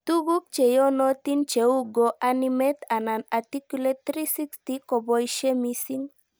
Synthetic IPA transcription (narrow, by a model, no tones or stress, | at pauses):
t̪uɡuk̚t͡ʃejonot̪int͡ʃeuɡoʔanimet̪ananat̪ikulet̪ːɾisikst̪ikobojʃemisiŋ